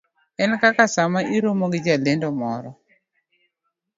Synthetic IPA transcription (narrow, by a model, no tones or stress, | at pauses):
ɛnkakasamaʔiɾomoɡid͡ʒalendɔmɔɾɔ